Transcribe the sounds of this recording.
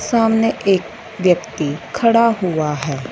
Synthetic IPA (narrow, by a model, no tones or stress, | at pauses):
saːmneʔeːk̚ | ʋjəkt̪ikʰɐɽaɦʊaɦɛː